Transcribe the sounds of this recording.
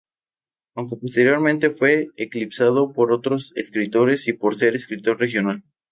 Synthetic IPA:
awŋke̞po̞st̪e̞ɾjo̞ɾmẽnt̪e̞fwe̞ːklipsað̞o̞po̞ɾo̞t̪ɾo̞sḛskɾit̪o̞ɾe̞sipo̞ɾse̞ɾeskɾit̪o̞ɾre̞xjo̞nal

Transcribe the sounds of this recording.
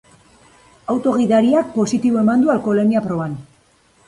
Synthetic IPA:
awt̪o̞ɣ̞iðaɾiak̚po̞sit̪iβo̞e̞mand̪ualko̞leniapɾo̞βan

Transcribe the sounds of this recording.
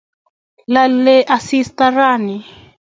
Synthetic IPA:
lalɛʔasist̪aɾani

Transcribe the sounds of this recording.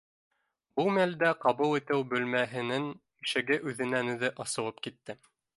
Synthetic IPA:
bumæld̪æqɑβɤlˠit̪ɘwbɵ̆lmæɦɘ̆nɘŋ | ɘ̆ʃɘ̆ɡɘʔʉðɘ̆nænʉ̆ðɘʔɑsɤ̆wˠɤp̚kit̪ːɘ

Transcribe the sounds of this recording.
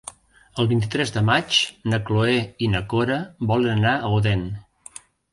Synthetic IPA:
əlˠβint̪̬it̪ɾɛzðəmat͡ʃnəkloeinəkoɾəbɔlənənaəoðɛn

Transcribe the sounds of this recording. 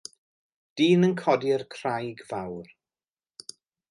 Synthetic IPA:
d̥iːnənkʰɔdiərkʰr̥ajɡvawr

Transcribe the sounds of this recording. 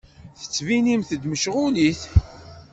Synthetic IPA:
θə̥t͡sːvinimθəd̪məʃʁʊliθ

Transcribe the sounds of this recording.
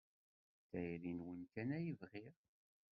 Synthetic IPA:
θæjɾinwənkænæjivʁiɾ

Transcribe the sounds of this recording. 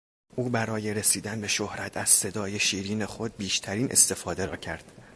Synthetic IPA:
ʔuːbæɾɒːje̞ɾesiːd̪ænbe̞ʃohɾæt̪ʰæz̥se̞d̪ɒːje̞ʃiːɾiːne̞xo̞d̪̚biːʃt̪ʰæɾiːnʔe̞̰st̪e̞fɒːd̪e̞ɾɒ̰ːcʰæɾd̪̥

